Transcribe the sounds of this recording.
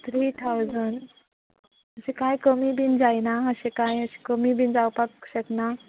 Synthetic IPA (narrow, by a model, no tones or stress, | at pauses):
t̪ʰɾiːt̪ʰawd͡zən | əɕekajkəmibind͡zajnaəɕẽkajəɕi̥kəmibʱind͡zawpakɕəkna